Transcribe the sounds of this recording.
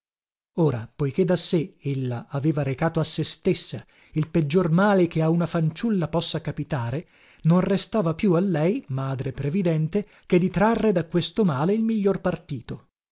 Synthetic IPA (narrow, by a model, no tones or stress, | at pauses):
oːɾapojk̟ed̪ːaseelːaaveːvaɾekaːt̪oasːest̪esːa | ilped͡ʒːormaːlekeaunafant͡ʃulːapɔsːakapit̪aːɾe | nonrest̪aːvapjualːɛjmaːd̪ɾepɾevid̪ɛnt̪e | ked̪ːit̪ɾarːed̪akwest̪omaːleilmiʎːorpart̪iːt̪o